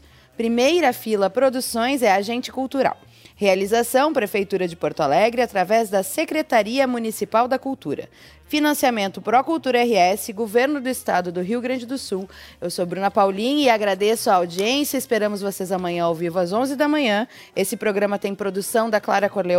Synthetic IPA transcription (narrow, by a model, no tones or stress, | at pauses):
pɾimejɾɐfilɐpɾod̪usõj̃zɛaʒẽnt͡ʃɪ̥kuwt̪uɾa̰w | healizasɐ̃w̃pɾefejt̪uɾɐd͡ʒɪpoɾt̪ʊalɛɡɾɪat̪ɾavɛzd̪ɐsekɾet̪aɾiɐmunisipawd̪ɐkuwt̪uɾɐ̰ | finɐ̃siamẽnt̪ʊpɾɔkuwt̪uɾɐɛɦɪɛsɪɡoveɾnʊd̪ʊɪst̪ad̪ʊd̪ʊɦiwɡɾɐ̃nd͡ʒɪd̪ʊsuwewsobɾũnɐpawlĩɲɪaɡɾad̪esʊaawd͡ʒiẽsjɐɪspeɾɐ̃mʊzvosezɐmɐ̃ɲɐ̃owvivʊazõzɪd̪ɐmɐ̃ɲɐ̃ | esɪpɾoɡɾɐ̃mɐt̪ẽj̃pɾod̪usɐ̃w̃d̪ɐklaɾɐkoɾle